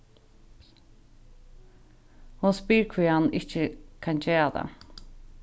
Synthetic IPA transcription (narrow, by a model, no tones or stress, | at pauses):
hʊspiːɹkʰviːhanɪht͡ʃəkʰant͡ɕeːad̪a̰